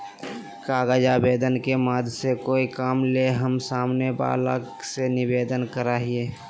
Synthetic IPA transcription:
kaːɡəd͡ʒabeːd̪ənkemaːd̪ʱsekoːikaːmleɦəmsaːmneba̰ːla̰ | senɪbeːd̪ənkəɾaːɦieː

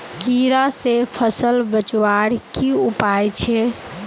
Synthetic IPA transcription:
kiɾasepʰəsəlbət͡ʃwaɾkiupajt͡ʃʰɛ

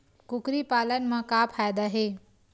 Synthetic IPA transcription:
kʊkɾipaːlənɪ̆mãkaːpʰaːjd̪aːɦeː

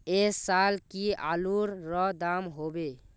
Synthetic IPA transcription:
esalkia̰luɾɾɔd̪amɦobe

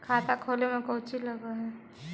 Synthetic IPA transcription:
kʰaːt̪akʰoːlemẽkot͡ʃiləɡaɦɛ

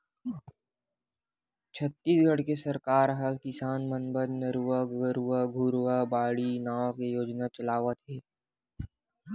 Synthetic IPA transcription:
t͡ʃʰət̪ːiːsɡʱəɽkesɐɾkaːɾɦəlkɪsaːnmənbəd̪nɐɾuʋaɡəɾuaɡʱuɾʋabaːɽinaːʋkejoːd͡ʒnat͡ʃɐlaːʋət̪ɦɛː

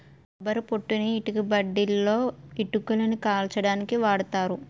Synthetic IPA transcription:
ɐbɐɾupoʈːuniːʈikibɐɖːilːo̞ːiʈːukːulɐnikaːlt͡ʃɐɽaːnikiʋaːɽɐt̪aːɾu

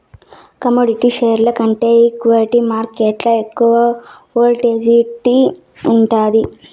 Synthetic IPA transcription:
kɐmoːɖiʈiːʃeːɾlɐkɐɳʈe̞ːikʋaliʈimaːɾkeːʈlɐekːuʋɐ | oːlʈeːd͡ʒiʈːi | uɳʈaːd̪i

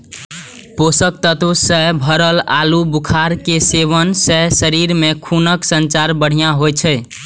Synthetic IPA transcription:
posək̚t̪ət̪usəɦbʱəɾəlalubukʰaɾkeseβənsəɦsəɾiɾmekʰunəksənt͡ʃaɾbəɽ̤ijaɦojt͡ʃʰɛ

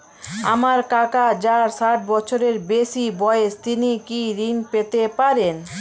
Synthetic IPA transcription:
a̰maɾkakad͡ʑaɾsaʈ̚bɔt͡ɕʰoɾeɾbeʃibɔeeʃt̪inikiɾiŋpet̪epaɾen

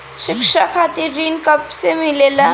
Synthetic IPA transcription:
ɕɪkʂakʰat̪iɾɾinkəpsemilela

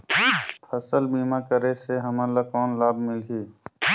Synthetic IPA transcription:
pʰəsəlbiːmakəɾeseɦəmalakɔːnlaːbmɪlɦiː

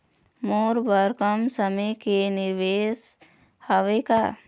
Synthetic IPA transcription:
moːɾbəɾkəmsəməkenɪɾʋeːs | həʋeka

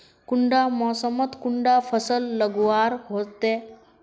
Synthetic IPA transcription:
kuɳɖamɔsəmət̪kuɳɖafəsəlːəɡʋaɾɦot̪e

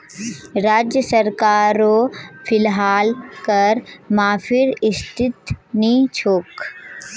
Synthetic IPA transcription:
ɾaːd͡ʒjəsəɾkaːɾopʰɪlɦaːlkɐɾmãːpʰɪɾɪst̪ʰɪt̪nit͡ʃʰoːk

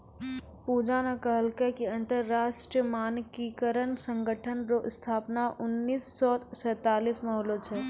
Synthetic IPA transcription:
puːd͡ʒanakaɦəlkekeə̃nt̪əɾːaːʃʈɾəmaːnkikəɾənsə̃ŋɡəʈʰənɾoʔɪst̪ʰaːpnaʔʊnːiːsːɔːsɛːt̪aːliːsmɐɦlot͡ʃʰɛː

